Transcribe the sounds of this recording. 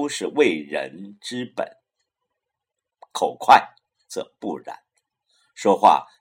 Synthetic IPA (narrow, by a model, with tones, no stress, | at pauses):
u˥ʂɻ̩˥˧we˥˩ɪɻə̰˧˥nʈ͡ʂɻ̩˥pə̰˨˩˦n | kʰo˨˩ʊkʰwa˥˩ɪ | t͡sɤ̰˥˩pu˥˩ɻa̰˧˥˦n | ʂwɔ˥xwa̰˥˩